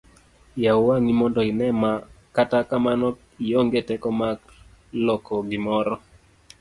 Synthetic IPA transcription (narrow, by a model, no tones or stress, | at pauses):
jawaŋimɔndɔɪnɛmakatakamanɔ | ijoŋɡetɛkɔmak | lɔkɔɡɪmɔɾɔ